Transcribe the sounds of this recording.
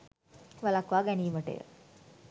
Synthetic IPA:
ʋalakʋaːɡɛniːʋəʈə̰jə̰

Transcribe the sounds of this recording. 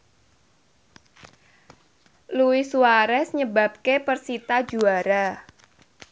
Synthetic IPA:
luwisuwaɾɛsɲəbap̚kepərsit̪ad̥d͡ʒuaɾa

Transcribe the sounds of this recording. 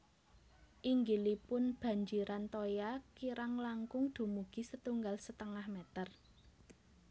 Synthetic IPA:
ʔiŋɡilipʊnb̥ä̤ɲd͡ʒiɾʔant̪ojakiɾaŋlaŋkʊŋd̪̥o̤muɡ̥i̤sət̪uŋɡalsət̪əŋahmɛt̪ər

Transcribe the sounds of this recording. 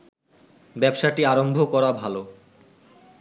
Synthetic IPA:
bɛbʃaʈiaɾombʱokɔɾabʱalo

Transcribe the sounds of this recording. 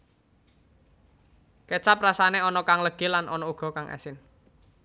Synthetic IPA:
ket͡ʃap̚rasaneɔnɔkaŋləɡ̥e̤lanʔɔnɔuɡ̥ɔ̤kaŋʔɛ̰sɪn

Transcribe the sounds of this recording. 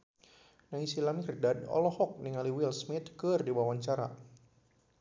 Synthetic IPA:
naŋisilamikrdadɔ̰lɔhɔk̚niŋaliwilsmɪt̪̚kɨrdiwawaɲt͡ʃaɾa̰

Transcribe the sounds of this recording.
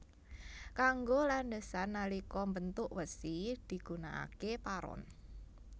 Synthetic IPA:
kaŋɡolandəsanːalikɔmbənt̪ʊʔwəsid̪̥i̤ɡ̥una̰ʔa̰kepaɾɔ̰n

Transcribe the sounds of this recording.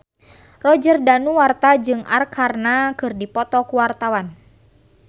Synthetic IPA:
rɔd͡ʒərdanuwart̪ad͡ʒɨŋa̰rkʰarnakɨrdipɔt̪ɔkuwart̪awan

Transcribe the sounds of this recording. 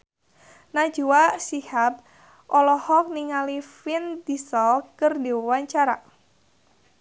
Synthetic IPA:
nḁd͡ʒuwasihap̚ | ʔɔlɔhɔk̚niŋalifɪnd̪isɔkərdewwaɲt͡ʃaɾa̰

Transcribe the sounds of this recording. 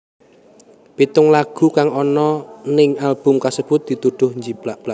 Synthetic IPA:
pit̪ʊŋlaɡ̥ṳkaŋɔnɔnɪŋalb̥ʊmkasəb̥ʊt̪̚d̪̥i̤t̪uɖ̪̥ʊhɲd͡ʒib̥laʔb̥laʔ

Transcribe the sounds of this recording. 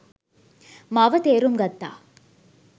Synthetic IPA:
mɐʋɐt̪eːɾumɡɐt̪ːa̰ː

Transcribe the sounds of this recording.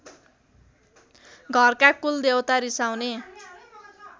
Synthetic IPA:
ɡʱʌrkakuld̪ewt̪aɾisawne

